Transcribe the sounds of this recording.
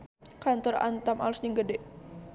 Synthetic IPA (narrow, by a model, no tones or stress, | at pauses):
kant̪ɔra̰nt̪ama̰lʊsɲəŋɡədɛʔ